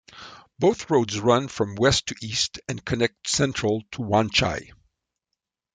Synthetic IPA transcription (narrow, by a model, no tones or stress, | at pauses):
b̥oʊθɹoʊdzɹʌ̃nfɹʌ̃mwɛstʰɨʔistɨ̃nkʰɨnɛk̚tsɛ̃nt͡ʃɹ̥əl̩ˠtʰəwɑ̃nt͡ʃa̰ɪ